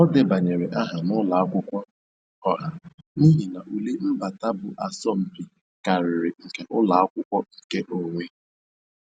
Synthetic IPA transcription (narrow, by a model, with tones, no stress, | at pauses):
ɔ˦dɪ˦ba˨ɲe˨ɾe˨ʔa˦ɦa˨nʊ˦la˨a˦kʷʊ˦kʷɔ˦ | ɔ˨ɦa˨ni˦ɦi˨na˨ʔu˨le˦m̩˦ba˨ta˦bʊ˨ʔa˨sɔ˦m̩˨bi˨ | ka˨ɾɪ˨ɾɪ˨ŋ̩˨ke˨ʔʊ˦la˨a˦kʷʊ˦kʷɔ˦i˨ke˦ʔo˨ŋʷe˦